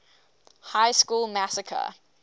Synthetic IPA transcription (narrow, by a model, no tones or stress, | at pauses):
haɪskuːlˠmasəkʰə̰